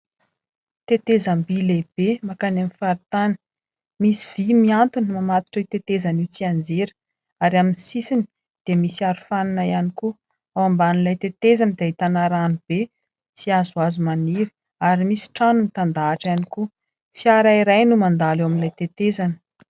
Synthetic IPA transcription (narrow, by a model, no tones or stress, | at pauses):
t̪et̪ezambileb̥emakanamifaɾit̪anə̥ | misiv̥imiant̪unmamat̪i̥ʈ͡ʂut̪et̪ezaniwt͡siand͡zeɾə̥ | aɾaminsisini | d̪̥emisiaɾufananajaniku | awambaninlajt̪et̪ezanəd̪eait̪anaɾanub̥e | t͡siazuazumaniɾi̥ | aɾimisi̥ʈ͡ʂanunit̪and̪aːʈ͡ʂaniku | fiaɾaiɾajnumand̪alewaminlajt̪et̪ezanə̥